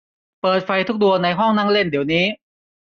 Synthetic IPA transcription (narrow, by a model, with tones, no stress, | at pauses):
pɤː˨˩t̪̚fa˧jt̪ʰu˦˥k̚du˧əna˧jɦɔ˥˩ŋna˥˩ŋle˥˩nd̪i˨˩˦wniː˦˥